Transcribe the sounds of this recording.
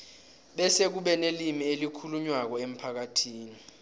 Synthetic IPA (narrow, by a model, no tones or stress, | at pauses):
ɓɛsek̬uɓɛnelimielikʰuluɲwak̬ɔem̩pʰak̬atʰiːni